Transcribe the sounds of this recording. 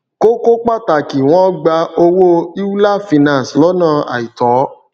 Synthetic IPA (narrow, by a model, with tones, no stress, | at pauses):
ko˦ko˦k͡pa˦˨ta˨ki˨w̃ɔ̃˦ɡ͡ba˧o˧wo˦i˦u˦la˦fi˧nã˦˨slɔ˨˦nã˦˨a̰˨i˨tɔ˨˦